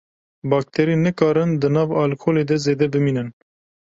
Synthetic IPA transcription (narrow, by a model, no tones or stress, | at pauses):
bɑːk̚t̪ʰɛɾinɨkɑːɾɨnd̪ɨnɑːvɑːlkʰoːleːd̪ɛzeːd̪ɛbɨmiːnɨn